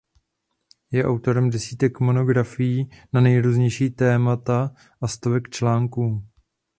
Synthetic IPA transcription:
jɛʔawt̪o̞ɾɛmdɛsiːt̪ɛkmo̞no̞ɡɾafɪjiːnanɛjɾuːzɲɛjʃiːt̪ɛːmat̪a | ʔast̪ovɛkt͡ʃlaːŋkuː

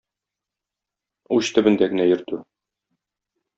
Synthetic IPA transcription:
uɕt̪ɘ̆bɘ̆nd̪æɡɘ̆næjɘ̆ɾt̪ʉ

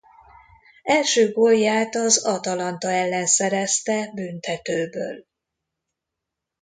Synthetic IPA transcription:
ɛlʃøːɡoljːaːt̪ɒzɒt̪ɒlɒnt̪ɒɛlːɛnsɛɾɛst̪ɛbynt̪ɛt̪øːbø̰ːl

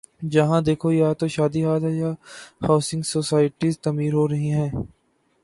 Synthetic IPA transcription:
d͡ʒɐɦãːd̪eːkʰojaːt̪oʃaːd̪iɦaːt̪ɦɛjaːhaːsɪ̃ŋɡsoːsaːɪʈizt̪ɐmiːɾɦoːɾɐɦiɦɛ̃ː

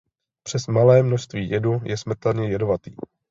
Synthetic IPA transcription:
pr̝̥ɛsmalɛːmnoʃst̪viːjɛdujɛsm̩t̪ɛlɲɛjɛdovat̪ḭː

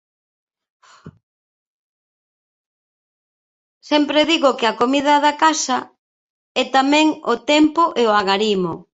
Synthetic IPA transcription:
sɛmpɾeðiɣʊkɪakomiðɐðakasɐ | ɛt̪amɛ̃ŋot̪ɛmpoʔeoaɣaɾimo

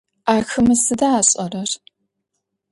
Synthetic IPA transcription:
aːxɨmɨsɨdaːɕʼɐrɐr

